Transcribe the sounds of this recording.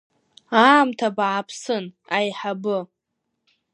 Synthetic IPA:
aːmtʰabaʕapʰsɨn | ajħabɨ

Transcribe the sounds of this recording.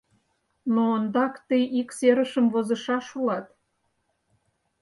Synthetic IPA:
noənd̪ɑkt̪əjʔikseɾəʃə̆mvozɤ̆ʃɑʃulɑt̪

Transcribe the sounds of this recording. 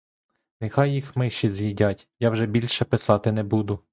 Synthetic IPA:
nɪxɑjːixmɪʃt͡ʃːizjidʲatʲjɑwʒɛbʲilʲʃɛpɪsɑt̪ɪnɛbud̪ʊ

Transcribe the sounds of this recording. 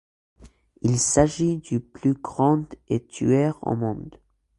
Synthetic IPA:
ilsaʒid̪yplyɡʁɑ̃d̪et̪ʰy̰ɛʁo̰mɔ̃d̪

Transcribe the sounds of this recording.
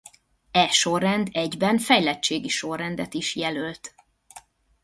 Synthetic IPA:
ɛʃorːɛnd̪ɛɟbɛɱfɛjlɛt͡ʃːeːɡiʃo̞rːɛnd̪ɛt̪iʃjɛlølt̪

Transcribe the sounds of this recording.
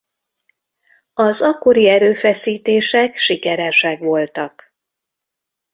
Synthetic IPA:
ɒzɒkːo̞ɾiɛɾøːfɛsiːt̪eːʃɛkʃikɛɾɛʃɛkʋo̞lt̪ɒk

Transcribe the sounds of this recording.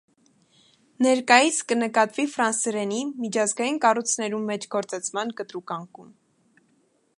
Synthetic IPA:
nɛɾkɑjit͡sʰkənəkɑt̪vifɾɑnsɾɛnimit͡ʃʰɑzɡɑjinkɑrut͡sʰnɛɾumːɛt͡ʃʰɡɔɾt͡sɑt͡sʰmɑnkət̪ɾukɑŋkum

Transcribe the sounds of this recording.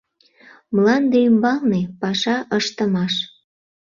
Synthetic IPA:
mlɑnd̪eymbɑlnepɑʃɑʔəʃt̪əmɑʃ

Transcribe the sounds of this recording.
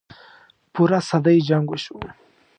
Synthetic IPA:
puɾasad̪ajd͡ʒaŋɡuɕu

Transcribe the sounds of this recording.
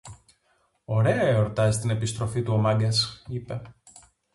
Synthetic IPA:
o̞ɾe̞ɐeoɾt̪ɐzist̪ine̞pist̪ɾo̞fit̪uo̞mɐɡɐsipe̞

